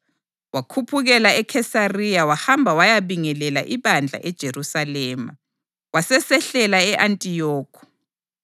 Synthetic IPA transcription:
wakʰupʰuɣɛlaɛkʰɛsarijawahambʱawajaβiŋɛlɛla̰ʔiβand͡ɮʱa̰ʔɛd̥ʒ̥ʱerusalɛːma̰ | wasɛsɛɬɛlaɛʔantʼijɔːkʰɔ̥

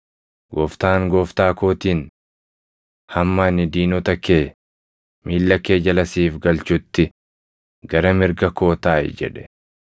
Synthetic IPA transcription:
ɡɔft̪aːŋɡɔːft̪aːko̞ːt̪iːn | hɐmːaːnɪd̪iːnɔt̪ɐkeː | mʔiːlːɐkeːd͡ʒɐlɐsiːfɡɐlt͡ʃʊt̪ːɪ | ɡɐɾɐmɪɾɡɐko̞ːt̪aːɪ̰d͡ʒɛ̰ᶑɛ̥

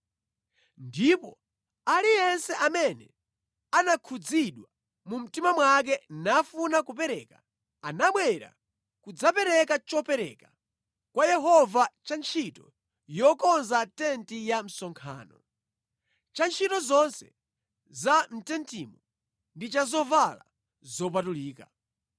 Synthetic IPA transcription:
ndipɔ̰ | alijɛnsɛʔamɛnɛ̰ | anakʰud͡ziɗwa | mum̩timamwak̬ɛnafunakupɛɾɛːka | anaɓwɛɾa̰ | kud͡zapɛɾɛkat͡ʃɔpɛɾɛ̰ka | kwajɛɦɔvat͡ʃant͡ʃʰitɔ̰ | jɔkɔnzatɛntijam̩sɔŋkʰa̰ːnɔ̰ | t͡ʃant͡ʃʰitɔzɔnsɛ | zan̩tɛntimɔ | ndit͡ʃazɔvala̰ | zɔp̬atuliːka

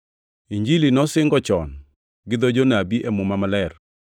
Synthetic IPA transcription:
iɲd͡ʒilinɔsɪŋɡɔt͡ʃɔ̰n | ɡɪd̪od͡ʒonabiʔɛmʊmamalɛr

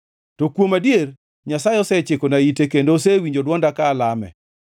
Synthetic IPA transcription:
tokwomadjer | ɲasajɔsɛt͡ʃekonaitekendosewiɲd͡ʒodwɔndakaːlamɛ̰

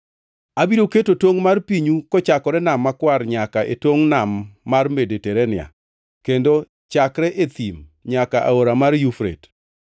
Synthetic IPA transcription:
abiɾoketotoŋmarpiɲukɔt͡ʃakɔɾɛnamːakwaɾɲakaʔetoŋnamːarmedeteɾenɪa̰ | kendo | t͡ʃakɾɛʔet̪imɲakaʔa̰oɾamarjufɾḛt

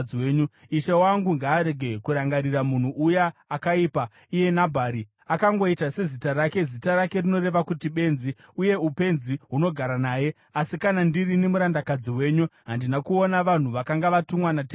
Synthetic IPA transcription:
weːɲu | iʃawaŋɡuŋɡaːɾe̞ɡʱe̞kuɾaŋɡaɾiramun̤uʔujaːkaiːpa | ije̞nabʱaːɾi | akaŋɡo̞itase̞zitaɾake̞zitaɾake̞rino̞re̞ʋakutiɓe̞nziuje̞upe̞nziɦuno̞ɡʱaɾanaːje̞ | asikanandirinemuɾandakad͡ziwe̞ːɲuɦandinakuo̞naʋan̤uʋakaŋɡaʋatumwanate

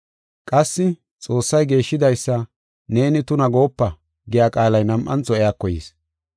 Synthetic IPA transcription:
kʼɐsːɪ | t͡sʼo̞ːsːɐjɡe̞ːʃːɪd̪ɐjsːɐ | ne̞ːnɪt̪ʊnɐɡo̞ːpːɐ | ɡɪjaːkʼaːlɐjnɐmʔɐnt͡sɔɛjaːkːɔjḭːs

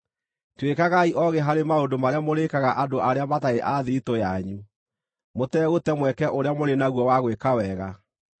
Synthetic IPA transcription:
twekaɣaiʔɔɣeɦaɾemaodomaɾeamoɾekaɣaʔadoʔaɾeamataeʔaðeitojaɲu | motɛɣotɛmwɛkɛʔoɾeamoɾenaɣwɔwaɣwekawɛːɣa

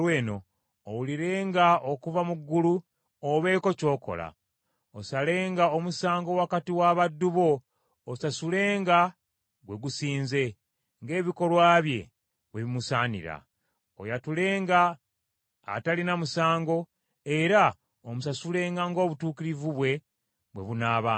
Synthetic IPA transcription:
weːno̞ː | wuliɾe̞ːŋɡao̞kuvamuɡːulu | oβe̞ːko̞co̞ːko̞̰la̰ | osale̞ːŋɡaomusaːŋɡo̞wakatiwaβadːuβo̞ː | sasule̞ːŋɡa | ɡwe̞ɡusiːnze̞ | ŋɡe̞ːβiko̞lwaːβje̞̰ | βweβimusaːnḭɾa̰ | o̰jatule̞ːŋɡa̰ː | talinamusaːŋɡo̞ | eɾa | omusasule̞ːŋɡaŋɡo̞ːβutuːkiɾivuβwe̞ | βwe̞βunaːβaː

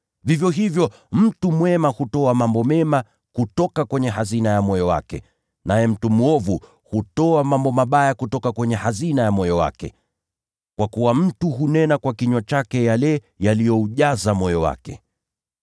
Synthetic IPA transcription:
vivjɔɦivjɔ | m̩tumwɛmahutɔamambɔmɛma | kutɔkakwɛɲɛɦazinajamɔjɔwa̰kɛ̰ | najɛm̩tumuɔvu | hutɔamambɔmaɓajakutɔkakwɛɲɛhazinajamɔjɔwa̰kɛ̰ | kwakuwam̩tuɦunɛnakwakiɲwat͡ʃakɛjalɛ | jalijɔuʄazamɔjɔwa̰kɛ

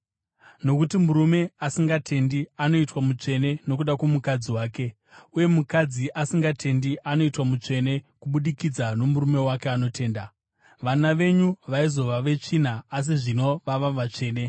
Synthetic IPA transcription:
no̞kutimuɾume̞asiŋɡatʰe̞ndiano̞itwamut͡ʂe̞ne̞no̞k̬uɗakwomukad͡ziwaːke̞ | uje̞mukad͡ziʔasiŋɡatʰe̞ndiʔano̞itwamut͡ʂe̞ne̞kuɓuɗikid͡zano̞muɾume̞wake̞ano̞tʰe̞ːnda | ʋanaʋe̞ɲuʋaizo̞ʋaʋe̞t͡ʂin̤aːs̬iʐino̞ʋaʋaʋat͡ʂe̞ːne̞

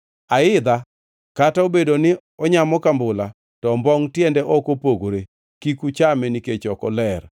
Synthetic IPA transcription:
aɪd̪a | kataobedonɪ | ɔɲamɔkambʊla | tɔmbɔŋtjɛndɛʔɔkopoɡoɾe | kikut͡ʃamɛniket͡ʃɔkɔlɛr

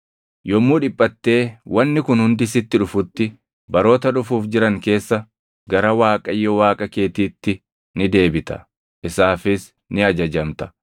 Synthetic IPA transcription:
jɔmːuːᶑɪpʼːɐt̪ːe̞ːwɐnːɪkʊnhʊnd̪ɪsɪt̪ːɪᶑʊfʊt̪ːɪ | bɐɾo̞ːt̪ɐᶑʊfuːfd͡ʒɪɾɐŋke̞ːsːɐ | ɡɐɾɐwaːkʼɐjːɔwaːkʼɐke̞ːt̪iːt̪ːɪ | nɪd̪e̞ːbɪt̪ɐ̥̰ | ʔɪsaːfɪs | nɪɐd͡ʒɐd͡ʒɐmt̪ɐ̥

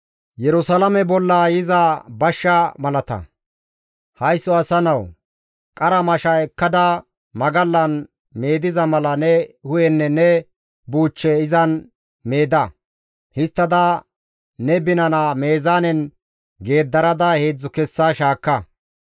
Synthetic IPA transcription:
jɛɾʊsɐlɐmɛbɔlːaːjɪzabɐʃːɐmɐlɐt̪ɐ̰ | hɐjsːɔɐsɐnɐw | kʼɐɾɐmɐʃɐɛkːɐd̪ɐ | mɐɡɐlːɐn | me̞ːd̪ɪzɐmɐlɐnɛhʊjɛnːɛnɛ | buːt͡ʃːɛɪzɐn | me̞ːd̪ɐ | hɪst̪ːɐd̪ɐ | nɛbɪnɐnaːmeːzaːnɛn | ɡe̞ːd̪ːɐɾɐd̪ɐheːd͡zːʊkɛsːaʃaːkːɐ

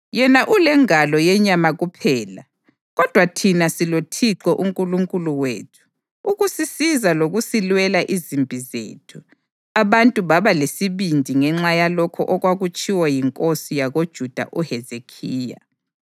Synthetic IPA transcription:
jɛnaʔulɛŋalɔjɛɲamaɣupʰɛːla | ɣɔd̥ʱwatʰinasilotʰiǁɔʔuŋkʼuluŋkʼuluwḛːtʰu̥ | uɣusisizaloɣusilwɛlaʔizimbʱizḛːtʰu̥ | aβantʼuβaβalesiβindʱiŋɛŋ͡ǁajalɔkʰɔʔɔɣwaɣut͡ʃʼiwajiŋkʼosijaɣod̥ʒ̥ʱud̥ʱa̰ʔuhɛzekʰiːja̰

